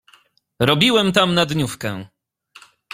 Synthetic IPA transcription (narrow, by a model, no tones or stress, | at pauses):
ɾɔbʲiwɛmt̪amnad̪ɲufkɛ̰̃